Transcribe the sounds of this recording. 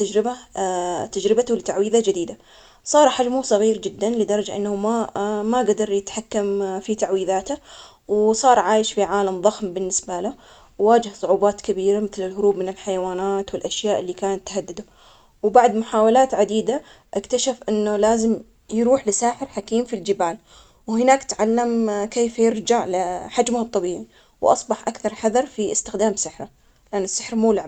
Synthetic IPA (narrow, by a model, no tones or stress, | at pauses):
t̪ad͡ʒɾɪba | t̪ad͡ʒɾɪbat̪ʊlɪt̪aʕwiːðad͡ʒɪd̪iːd̪a | sˤɑːɾˤħad͡ʒmusˤɑɣiːɾd͡ʒɪd̪ːanlɪd̪ɑɾˤɑd͡ʒaʔɪ̰nːhʊmamaɡad̪ɑɾˤjɪt̪ħakːamfit̪aʕwiːðaːt̪a | wsˤɑːɾˤʕaːjɪʃfiʕaːlamðˤɑxmbɪnːɪsbala | wwaːd͡ʒɪhsˤʊʕuːbɑːt̪kabiːɾamɪθlɪlɦʊɾuːbmɪnɪlħajawaːnaːt̪wɪlʔaʃjaːʔɪlːiːkaːnat̪ːhad̪ːɪd̪ʊ | wbaʕd̪mʊħaːwalaːt̪ʕad̪iːd̪a | ʔɪkt̪aʃafʔɪnːʊlaːzɪm | jɾuːħlɪsaːħɪɾħakiːmfild͡ʒɪbaːl | whɪnaːkt̪ʕalːamkeːfjɪɾd͡ʒaʕlɪħad͡ʒmʊht̪ˤːɑbiːʕi | wʔɑ̰sˤbɑħʔakθɑɾˤħaðɑɾˤfiʔɪst̪ɪxd̪aːmsɪħɾa | lɪʔanːɪsːɪħɾmuːlɪʕ